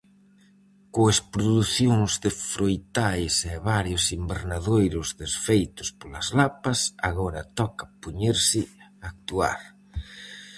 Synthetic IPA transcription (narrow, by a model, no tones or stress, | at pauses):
koespɾoðuθjoŋzðɪfɾojt̪ajsɛβaɾjʊsimbeɾnaðojɾʊzðesfejt̪ʊspolazlapɐsaɣɔɾat̪ɔkapuɲeɾsɪak̚t̪ua̰ɾ